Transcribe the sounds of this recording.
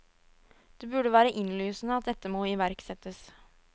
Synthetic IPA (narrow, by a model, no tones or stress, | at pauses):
d̪̥eːbʉɖəʋæːɾəʔɪnlyːsn̩əɑt̪̚d̪ɛt̪ːəmoːɪʋæɾksɛt̪ːəs